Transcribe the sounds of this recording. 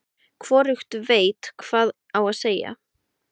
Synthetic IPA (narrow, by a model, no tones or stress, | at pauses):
kʰvɔːɾʏxt̪veːjt̪kʰvaːð | awaðseːja̰